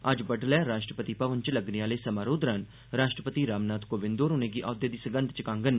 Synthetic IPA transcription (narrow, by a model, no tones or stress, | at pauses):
ɐd͡ʒbəʈlɛɾaːʃʈɾəpət̪ipɐʋənt͡ʃlɐɡniaːleːsɐmaːɾoːd̪ɾan | ɾaːʃʈɾəpət̪iɾaːmnaːt̪koːʋɪ̃nd̪oːɾʊneɡiʔaːwd̪jed̪iːsəɡə̃nt̪t͡ʃɪkãːŋɡən